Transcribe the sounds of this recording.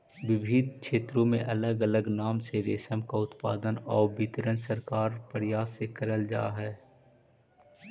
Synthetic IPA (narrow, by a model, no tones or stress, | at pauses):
wɪbʱɪd̪kʃeːt̪ɾõmẽʔɐləɡələɡnaːmseɾeːʃəmkaʊt̪paːd̪ənɔːɾbɪt̪ɾənsəɾkaːɾpəɾjaːsekəɾəld͡ʒa̰ːɦɛː